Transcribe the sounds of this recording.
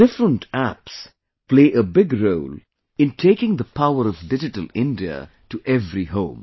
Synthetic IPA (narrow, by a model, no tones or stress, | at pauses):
d̥ɪfɾə̃ntæps | pleɪʔəbɪɡɾoʊl | ɨ̃ntʰeɪkɪ̃ŋd̪əpʰaʊəɾʌvɖɪd͡ʒɪʈəlɪ̃ndiə̰ | ʈuʔɛvɾiɦõʊ̃m